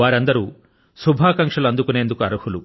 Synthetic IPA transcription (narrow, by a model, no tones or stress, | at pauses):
aːɾɐnd̪ɐɾu | subʱaːkɐŋkʂɐluɐnd̪ukuneːnd̪ukuɐɾuhulu